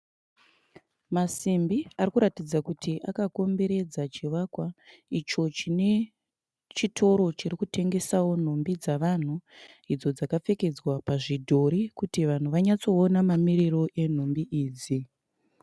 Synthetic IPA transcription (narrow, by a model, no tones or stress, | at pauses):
masimbiarikuɾatid͡zakutʰiʔakako̞mbe̞ɾe̞d͡zat͡ʃiʋakwait͡ʃo̞t͡ʃine̞ | t͡ʃitʰo̞ɾo̞t͡ʃiɾikutʰe̞ŋɡe̞sawo̞n̤o̞mbid͡zaʋan̤u | id͡zo̞d͡zakafe̞ke̞d͡zwapaʐidʱo̞ɾikutiʋan̤uʋaɲat͡so̞ːnamamiɾiro̞ʔe̞n̤ombiʔiːd͡zi